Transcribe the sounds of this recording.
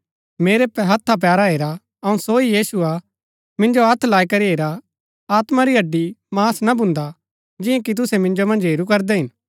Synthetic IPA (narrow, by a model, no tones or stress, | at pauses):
meːɾepɛɦɐt̪ʰːap̬jaːɾaɦeːɾa | ɐũsoijiːsʊa | mɪ̃nd͡ʒoɦɐt̪ʰlaːikɐɾiɦeːɾa | aːt̪maɾiɐɖːimaːsnabʊ̃nd̪a | d͡ʒɪ̃jẽkit̪̬ʊsɛmɪ̃nd͡ʒomɐ̃nd͡ʒɦeːɾukɐɾd̪ɛɦɪn